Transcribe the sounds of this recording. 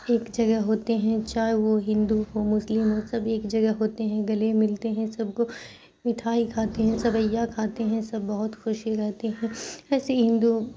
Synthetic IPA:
eːkd͡ʒɐɡəɦɦoːt̪eɦɛ̃t͡ʃaːɦeʋoɦɪ̃nd̪uɦomʊslɪmɦosɐbeːkd͡ʒɐɡɛɦɦoːt̪eɦɛ̃ɡɐlemɪlt̪eɦɛ̃sɐb̚ko | mɪʈʰaːikʰaːt̪eɦɛ̃sɐbɐjːakʰaːt̪eɦɛ̃sɐbːɐɦʊt̪xʊʃɾɛɦt̪eɦɛ̃ɛːseɦɪ̃nd̪u

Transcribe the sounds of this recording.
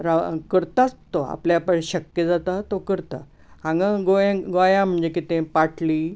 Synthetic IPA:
ɾakəɾt̪at͡st̪oa̰pljapəɽɕəkjəd͡zat̪at̪okəɾt̪a | ãŋɡãɡojãɡojãm̤əɳd͡zekit̪ẽpaʈliː

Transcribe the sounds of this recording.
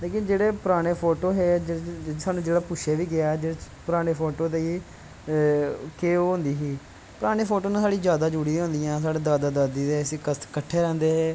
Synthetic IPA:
leːkɪ̃nd͡ʒeːɽeːpʊɾaːɽ̃eːpʰoːʈoːɦeːd͡ʒsaːnũːd͡ʒeːɽaːpʊʃʰeːʋiːɡɪaːɛːd͡ʒeːɽe | pʊɾaːɽ̃eːpʰoːʈoːd̪eiː | keːoːɦʊnd̪iːɦiː | pʊɾaːɽ̃eːpʰoːʈoːnãːsaːɽiːd͡ʒjaːd̪aːd͡ʒuɽiːɦõːnd̪iːãːs̬aːɽeːd̪aːd̪aːd̪aːd̪iːd̪eːəsĩːkəkəʈʰːeːɾɛ̃ːnd̪eːɦeː

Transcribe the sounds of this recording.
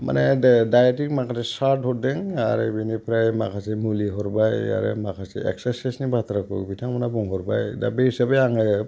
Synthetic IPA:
ma̰nedajetik̚makʰasesaɾthɔt̚deŋa̰ɾḛbinipʰɾajmakʰasemuliɦɔɾbaja̰ɾḛmakʰasḛḛksasesnibat̪ʰɾakɔ̰kbitʰaŋmanabuŋɦɔɾbajda̰beisabejaŋɯ

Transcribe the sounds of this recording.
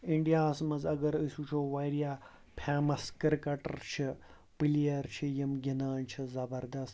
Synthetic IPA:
iɳɖijaːsmɐzɐɡɐɾɐsut͡ʃʰoːʋajɾijaː | pʰaːmɐskɐɾkɐʈɐ̰ɾt͡ʃʰi | pilijɐɾt͡ʃʰijɐmɡʲinaːnt͡ʃʰizɐbɐɾd̪ɐst̪

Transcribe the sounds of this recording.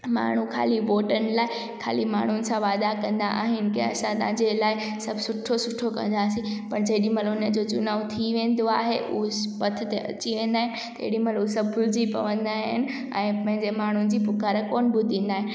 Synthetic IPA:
ma̰ːɳ̤ukʰa̰ːliʋoːʈənɪ̆laːɪ | kʰa̰ːlima̰ːɳ̤ʊnɪ̆sãʋaːd̪akɐ̃nd̪a̰ʔa̰ːɦɪnɪ̆kḛ̃ɐsãt̪ãːɲd͡ʑelaːɪ | sɐbʱsʊʈʰosʊʈʰokɐ̰̃nd̪aːsĩpɐɾd͡ʑɐɗĩmɐlʊnəd͡ʑoːt͡ɕʊnaːut̪ʰiʋẽːnd̪oa̰ːɦeʔuɦpɐt̪ʰə̆t̪eʔɐ̰t͡ɕiʋẽːn̆d̪aːɦɪ̃nɪt̪ɐḛɗĩmɐlsɐbʱɡʊld͡ʑipɐ̰ʋə̃nd̪aːɦɪnɪ̆ | ɛ̰̃ːpɐ̃ɦɪ̃ɲd͡ʑemaːɳ̤ʊnɪ̆d͡ʑiːpʊkaːɾəkoːnbɪt̪ĩːn̆d̪aːɦɪnɪ̆

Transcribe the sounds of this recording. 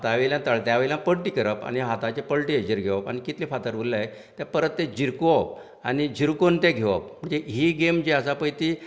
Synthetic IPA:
t̪aʋejljãt̪əɭt̪jaʋəjljãpəɽʈikəɾəpa̰ñiɦat̪at͡ɕepəɭʈied͡ʑiɾɡʱeʋapa̰ñikit̪lifat̪əɾbulːaje | t̪japəɾət̪ːed͡ʑiɾkoʋap̚ | añid͡ʑiɾkont̪eɡʱeʋə̰p̚m̤əɳd͡zeɦiɡemd͡ʑeəsapəjt̪i

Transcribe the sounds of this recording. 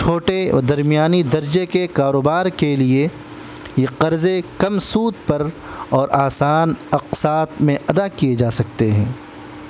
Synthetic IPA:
t͡ʃʰoːʈḛd̪ɐɾmijaːnid̪ɐɾd͡ʒekekaːɾoːbaːɾkelie | jeqɐɾzekɐmsuːd̪̚pɐɾ | ɔːɾʔaːsaːnɐqsaːt̪mẽɐd̪akijed͡ʒaːsɐk̚t̪eɦɛ̰̃ː

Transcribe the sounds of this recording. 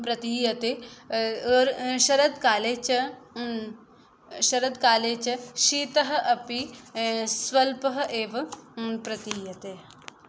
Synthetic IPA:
pɾɐt̪iːjɐt̪e | əɾʃɐɾɐd̪kaːleːt͡ʃ | ʃɐɾəd̪kaːleːt͡ʃʃiːt̪ɐɦɐʔɐpi | swɐlpəɦʔeːʋpɾɐt̪iːjɐt̪e

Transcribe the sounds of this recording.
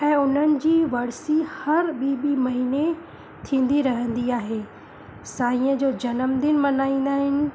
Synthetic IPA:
ɛ̃ːʊn̤ənɪ̆d͡ʑiːʋɐɽsihɐɾɓiɓimɐɦiːne | t̪ʰĩːn̆d̪iɾɐɦə̃nd̪iaːɦeː | saːĩːə̃d͡ʑoːd͡ʑɐnəmd̪ɪnmɐnaːĩːn̆d̪aːɦɪnɪ̆

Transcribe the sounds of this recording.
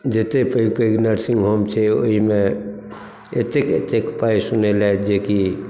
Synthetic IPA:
d͡ʒet̪epepeɡnəɾsĩŋɡɦomt͡ʃʰɛo̰ɦime | et̪ekḛt̪ekpaisunelaed͡ʒeki

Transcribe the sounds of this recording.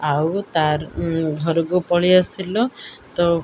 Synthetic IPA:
awt̪aɾɡʱɔɾɔk̬upɔɭiasilɔt̪ɔ

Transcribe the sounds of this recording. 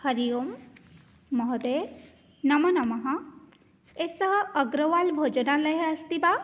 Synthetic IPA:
hɐɾijomː | ɔɦɔd̪e | nɐmɐnɐmɐɦɐ̃ | esəɦəːɡɾəwalbʱod͡ʒɔnaləɦeɐst̪iba

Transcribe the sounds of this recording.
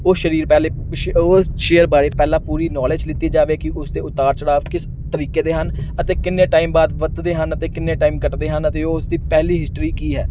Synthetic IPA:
oːʃəɾiːɾpɛle | osʃeːəɾbaːɾeːpɛːlãːpuːɾiːnɔːleːd͡ʒlɪt̪ːiːd͡ʒaːʋeːkɪʔʊsd̪eːʊt̪aːɾt͡ʃəɽaːʋkɪs | t̪əɾiːkeːd̪eːɦənət̪eːkɪnːeːʈaːimbaːd̪ʋət̪d̪eːɦənət̪eːkɪnːeːʈaːiːmkəʈd̪eːɦənət̪eːoːsd̪iːpɛːliːɦɪsʈɾiːkiːɦɛː

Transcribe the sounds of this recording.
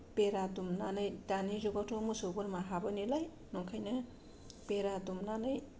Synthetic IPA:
peɾadumnanajdanid͡ʒoɡatʰomusoɡuɾmaɦabɐnilaj | nɔŋkʰajnɐ | peɾadumnanaj

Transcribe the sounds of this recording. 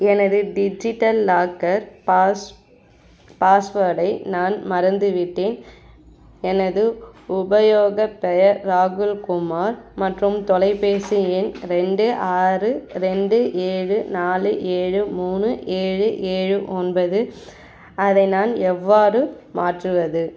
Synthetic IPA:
ɛnɐðɯɖɪd͡ʒɪʈːɐlːaːkːɐɾ | paːsʋɐɽɐɪnaːnmɐɾɐnd̪ɯʋɪʈːeːn | ɛnɐðɯʊbɐjoːɣɐpɛjɐɾːaːɣɯlkʊmaːɾmɐʈrɯmt̪ɔlɐɪpeːsijɪnɾɛɳɖɯʔaːrɯɾɛɳɖɯʔeːɻɯnaːlɯʔeːɻɯmuːnɯʔeːɻɯʔeːɻɯʔɔnbɐðɯ | ɐðɐɪnaːnɛʋːaːrɯ | maːʈrɯʋɐðɯ

